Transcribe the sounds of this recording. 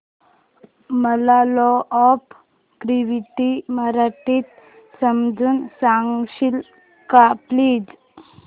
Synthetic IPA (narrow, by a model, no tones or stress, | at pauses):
məlalɔʔɔp | ɡɾiʋiʈimaɾaʈit̪ | səmd͡zuːnsaŋɡɕil | kapliːd͡z